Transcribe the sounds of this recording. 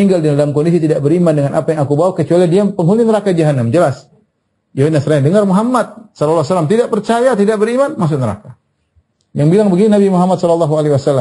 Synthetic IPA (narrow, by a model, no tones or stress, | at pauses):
iŋɡaldidalamkɔndis̬it̪idaʔ̚bəɾimandəŋanʔapajaŋakubawakət͡ʃualidiapəŋɦuninəɾakad͡ʒaɦanamd͡ʒəlas | jawinasɾaadəŋarmuɦamːat̪̚sɔlɔlːɔhsalamt̪idaʔ̚pərt͡ʃajat̪idaʔ̚bəɾimanmas̬ʊk̚nəɾa̰ka | jaŋbilaŋbəɡinunabimuɦamat̪̚sɔlalːaɦualeiwasalːa